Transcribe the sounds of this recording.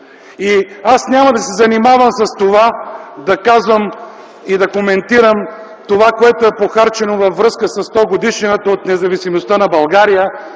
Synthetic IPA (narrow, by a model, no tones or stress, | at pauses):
iasnʲamɐd̪ɐsɛzɐnimavəmsɐst̪ovad̪ɐkazvəm | id̪ɐkomɛnt̪iɾəm | t̪ovakoɛt̪oɛpoxaɾt͡ʃɛnovɐfːɾɤskəsɐst̪ɔɡod̪iʃinət̪əot̪nɛzɐvisimost̪ənɐbɐlˠɡaɾijə